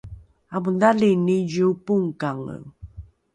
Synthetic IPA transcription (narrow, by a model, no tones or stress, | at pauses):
amundalinijuupuŋkaŋə̰